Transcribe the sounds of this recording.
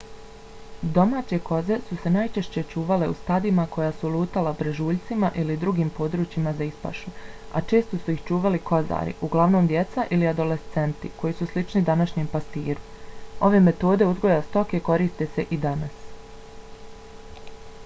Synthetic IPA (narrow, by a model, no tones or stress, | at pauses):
d̪o̞maːt͡ɕe̞ko̞ze̞suse̞najt͡ʃe̞ʃt͡ɕe̞t͡ʃuːʋale̞ṵst̪ad̪imako̞jaːsulˠuːt̪alabɾeʒuːʎʲt̪simaʔilid̪ɾuɡiːmpo̞d̪ɾuːt͡ɕimazaispa̰ʃua̰t͡ʃe̞ːst̪o̞suixt͡ʃuːʋalikʰo̞za̰ːɾḭʔuɡlˠaʋno̞ːmd̪jet̪saʔiliad̪o̞le̞st̪se̞nt̪iko̞jiːsuslit͡ʃnid̪anaʃɲeːmpast̪iːɾu | o̞ʋe̞me̞t̪o̞ːd̪e̞uzɡojast̪o̞ke̞ko̞ɾiːst̪ese̞ʔid̪anas